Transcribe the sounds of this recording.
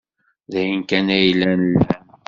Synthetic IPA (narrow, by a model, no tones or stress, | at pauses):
ðæjənkænæjlːænəlːhæm